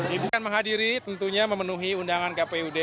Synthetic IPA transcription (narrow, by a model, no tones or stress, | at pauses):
ibukanməŋɦadiɾit̪ənt̪uɲaməmənuɦiundaŋankapeude